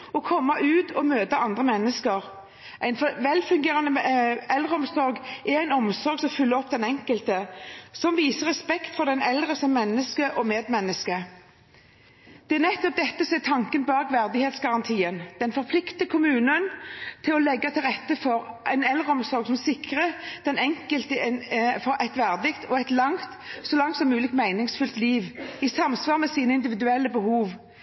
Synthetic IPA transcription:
ɔkʰɔmːɑʔʉːt̪ɔmøːt̪əʔɑnd̪ʁəmɛnːəskəʁ | ʔæɪnfʋɛlfʉŋɡeːʁɑnəɛlʁəɔmsɔɾɡʔɛʁæɪnɔmsɔɾɡsɔmfʉlːəɾɔpːd̪ɛnɛŋkəlt̪əsɔmʋiːsəʁɛspɛkt̪fɔʁd̪ɛnɛld̪ʁəsɔmmːɛnːəskəʔɔmeːd̪mɛnːəskə | d̪̥ɛæʁnɛt̪ːɔp̚d̪ɛt̪ːəsɔɛt̪ʰɑŋkənbɑːɡʋæʁd̪ɪheːt̪sɡɑʁɑnt̪ʰiːənd̪̥ɛnfɔʁpʰlɪkt̪əkʰʊmʉːnənt̪ʰɪlɔlɛɡːɑt̪ʰɪlʁɛt̪ːəfɔɾʔæɪnɛld̪ʁəɔmsɔɾɡsɔmsɪkʁəd̪̥ɛnɛŋkəlt̪əfɔɾʔæɪt̪ʋæʁd̪ɪkt̪ʰɔæɪt̪lɑŋt̪ | sɔlɑŋt̪sɔmːʉːlɪk̪mæɪnɪŋsfʉlt̪liːʋisɑmsʋɑːʁmɛsiːnəɪnd̪ɪʋɪd̪ʉɛlːəbəhuːʋ

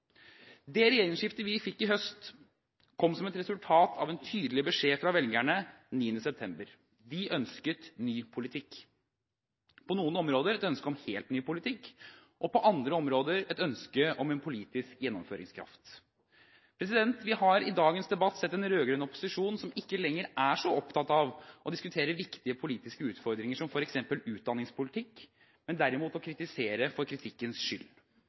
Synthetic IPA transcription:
d̪ɛɾɛjeːɾɪŋʂɪft̪əʋɪfɪkːɪɦœst̪ | kʰɔmːsɔmɛt̪ɾɛsʉlt̪ʰɑːt̪ʰɑʋɛnt̪ʰyːd̪lɪbəʂeːfɾɑʋɛlɡæɳə | niːənːəsɛp̚t̪ʰɛmbəɾ | d̪ɪʔœnskət̪nyːpʰʊlɪt̪ʰɪkː | pʰɔnuːənɔmɾoːd̪əɾɛt̪œnskəɔmheːlt̪nyːpʊlɪt̪ʰɪkːʔɔpɔʔɑnd̪ɾəɔmɾoːd̪əɾɛt̪œnskəɔmɛnpʰʊliːt̪ɪskjɛnːɔ̰mføːɾɪ̰ŋskʰɾɑ̰ft̪ | pʰɾɛs̬ɪd̪ɛnt̪ʋɪhɑɾɪd̪ɑːɡənsd̪ɛbɑt̪ːsɛt̪ːɛnɾøːɡɾœnɔpːʊ̥sɪʂuːnsɔmɪkːəlɛŋːəɾæʂɔɔpt̪ʰɑt̪ɑʋʔɔd̪ɪskʉt̪ʰeːɾəʋɪkt̪ɪəpʰʊliːt̪ɪskəʉːt̪fɔɾd̪ɾɪŋəʂɔmfɔɾɛksɛmpəlʉːt̪̚d̪ɑnːɪŋspʰʊlɪt̪ʰɪkː | mɛnd̪æɾɪmuːt̪ɔkʰɾɪt̪ɪseːɾəfɔɾkʰɾɪt̪ʰɪkːənsʂʏlː

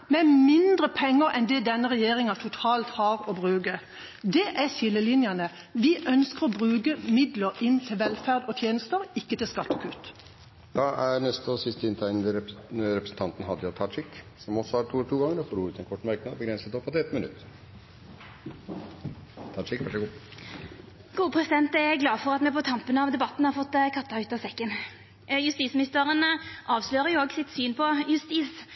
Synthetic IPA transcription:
mɛmɪnd̪ʁəpʰɛŋːəʁɛnd̪ɛd̪ɛnːəʁɛjeːʁɪŋɑt̪ʰʊt̪ʰɑːlt̪hɑːʁɔbʁʉːkə | d̪ɛʔæsɪlːəlɪnjɑnə | ʋɪʔœnskəʁɔbʁʉːkəmɪd̪ləɾɪnt̪ʰɪlʋɛlfæʁd̪ɔt̪ʰjeːnəst̪əɾɪkːət̪ɪlskɑt̪ːɔkʰʉt̪ | d̪̥ɑːʔæɾnɛst̪əɔsɪst̪əɪnt̪ʰæɪnd̪əɾɛpɾəsn̩t̪ʰɑnt̪nɦɑd̪jɑt̪ʰɑʈɪk | sɔmɔsːɔhɑɾʈ̪ʰuːɛʈ̪ʰuːɡɑŋːəɾɔfoːɾuːt̪ɛnkʰɔʈːmæɾknɑd̪bəɡɾɛnsət̪ɔpːɑt̪ɛt̪mənʉ̰t̪ː | t̪ʰɑʂɪkʋœʂɛɡuː | ɡ̥uːpʰʁɛsɪd̪ɛnt̪ɛɛɡlɑːfɔʁɑt̪mɛpɔt̪ʰɑmpənəɑʋd̪ɛbɑt̪n̩hɑɾfɔt̪ːkʰɑt̪ːɑʉːt̪ɑsɛkːən | jʉst̪iːsmɪnɪst̪əʁənʔɑːʋsløːɾəjʊoːɡsɪt̪syːnpʰɔjʉst̪iːs

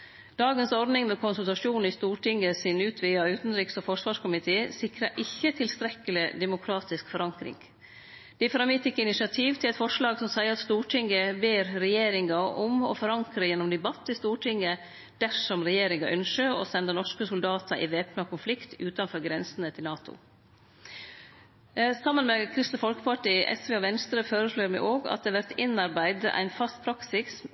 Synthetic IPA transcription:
d̪̥ɑːɡənsɔɾd̪nɪŋmɛkʰʊnsʉlt̪ɑʂuːn̩ɪst̪uːʈɪŋːəsɪnʉːt̪ʰʋɪːɑʉːt̪nɾiːksofɔʂʋɑːʂkʊmɪt̪ʰeːsɪkɾɑʔɪçːət̪ʰɪlst̪ɾɛkːəlɪd̪ɛmʊkʰɾɑːt̪ɪskfɔɾɑŋkɾɪ̰ŋ | d̪̥ɛɪfɾɑmɪt̪ɪkːəɪnɪʂɪɑt̪ʰiːʋt̪ʰɪlɛɪt̪fɔʂlɑːɡsɔmsæɪəɾɑt̪st̪uːʈʰɪŋːəbeːɾɾɛjeːɾɪŋɑɔmɔ̰fɔɾɑŋkɾəjɛnːɔmd̪ɛbɑt̪ːɪst̪uːʈʰɪŋːə | d̪̥æʂɔmɾɛjeːɾɪŋɑʔœnʂəɾɔ̰sɛnd̪ənɔʂkəsʊld̪ɑːt̪əɾʔɪ̰ʋeːpnɑkʰʊnflɪkt̪ʰʉːt̪ɑnfɔːɾɡɾɛnsənət̪ʰɪlnɑːt̪ʊ̰ | sɑmːənmɛkʰɾɪst̪nəfɔlkə̥pɑʈiːʔɛ̰sʋeːɔʋɛnst̪ɾəføːɾəʂloːɾmɛɪʔoːɡɑ̰t̪̚d̪eːʋæɾt̪ɪnɑɾbæɪd̪ə̰ʔæ̰ɪnfɑst̪̚pʰɾɑksɪs

